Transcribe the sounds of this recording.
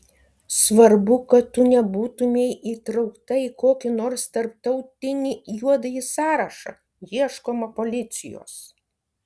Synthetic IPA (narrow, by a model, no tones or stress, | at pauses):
sʋɐɾbʊkɐt̪ːʊnʲɛbuːt̪ʊmʲejʔiːt̪ɾɒʊkt̪ɐiːkoːkʲɪnoːɾst̪ɐɾp̚t̪ɐʊt̪ʲɪnʲijuɔd̪ɐjisɑːɾɐʃɐ̰ | jiɛʃkoːmɐpolʲɪt̪sʲɪjo̰ːs